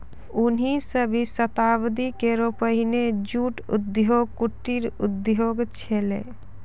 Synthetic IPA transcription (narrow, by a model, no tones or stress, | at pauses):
ʊnɦisəbʱisət̪aʋd̪ikeɾopəɦined͡ʒuʈʊ̰d̪joːɡ̚kuʈːiɾʊ̰d̪joːɡt͡ʃʰelḛ